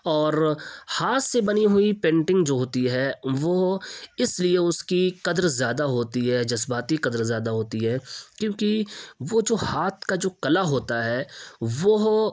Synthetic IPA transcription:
ɔːɾhaːt̪sebɐniɦʊipẽːɳʈɪ̃ŋɡd͡ʒoːɦoːt̪iɦɛʋoɪslieʊskiqɐd̪ɾzjaːd̪aɦoːt̪iɦɛːd͡ʒɐsbaːt̪iqɐd̪ɾzjaːd̪aɦoːt̪iɦɛːkjõːkiʋod͡ʒoːhaːt̪ʰkad͡ʒoːkɐlaɦoːt̪aɦɛːʋoɦ

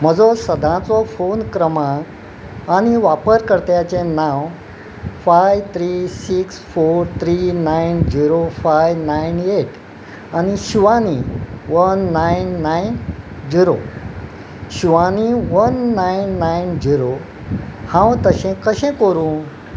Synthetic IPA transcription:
m̤əd͡zɔsəd̪ʱãt͡sɔfonkɾəmã | añiʋapəɾkəɾt̪jat͡ɕẽnãw | fajʋt̪ʰɾisiksfoɾt̪ʰɾinajnd͡ʑiɾofajʋnajneʈ | añiɕiʋaniʋənːajnːajnd͡ʑiɾo | ɕiʋaniʋənːajnːajnd͡ʑiɾo | hãwt̪əɕɛ̃kəɕɛ̃kəɾũːn

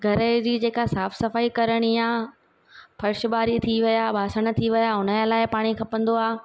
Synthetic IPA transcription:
ɡʱɐɾəd͡ʑiːd͡ʑeːkasaːfsɐfaːikɐɾəɽ̃ja | fɐɾɪʃɓaːɾit̪ʰiʋijabʱaːsəɽ̃ə̆t̪ʰiʋɪjaʊnəlaːɪpaːɽ̃ikʰɐpə̃nd̪oaː

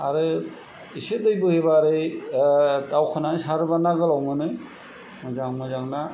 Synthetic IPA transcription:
aɾɯ | isedɯjbɯhebaɾɯj | tawkʰɯnanɯsaɾɯbanaɡɯlawmɯnɯj | mɯzaŋmazaŋna

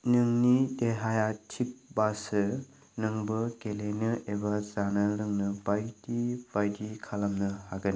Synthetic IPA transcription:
nɯŋnideɦajatʰip̚basɯ | nɯŋbɯkelenɯebazanɯɾɯŋnɯbajtib̥ajdikʰalamnɯhaɡɯn

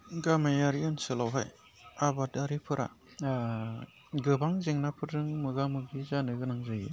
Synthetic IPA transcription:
ɡamajaɾiɯnsɯlawɦaj | abadaɾipʰɯɾʔa̰ | ɡɯbaŋzeŋnapʰɯɾɯŋmɯɡamɯɡizanɯɡɯnaŋzajɯ̰

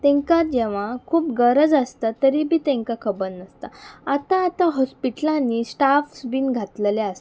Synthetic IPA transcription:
t̪ẽŋkad͡ʑeʋ̤ãkʰuːpɡəɾəd͡zəst̪at̪əɾibʱiːt̪ẽŋkakʰəbənnəst̪aat̪ãːt̪ãɦɔspiʈlãnisʈafsbiːnɡʱat̪ləleas

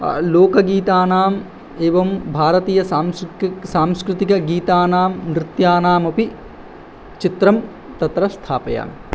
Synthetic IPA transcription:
loːkɐɡiːt̪aːnaːm | eːʋɐmbʱaːɾɐt̪iːjɐsaːmsaːmskɾɪt̪ikɐɡiːt̪aːnaːmnɾɪt̪jaːnaːmɐpi | t͡ʃit̪ɾɐm | t̪ɐt̪ɾɐst̪ʰaːpɐja̰ːm

